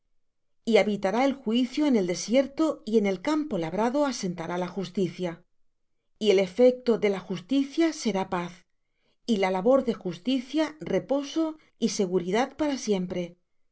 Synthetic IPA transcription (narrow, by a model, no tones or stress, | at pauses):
iaβit̪aɾaelxwiθjoene̞ld̪e̞sje̞ɾt̪o̞ie̞ne̞lkampo̞laβɾaðo̞ase̞nt̪aɾalaxust̪iθja | ie̞le̞fe̞k̚t̪o̞ðe̞laxust̪iθjase̞ɾapaθ | ilalaβo̞ɾðe̞xust̪iθjare̞po̞so̞ | ise̞ɣ̞uɾiðaðpaɾasje̞mpɾe̞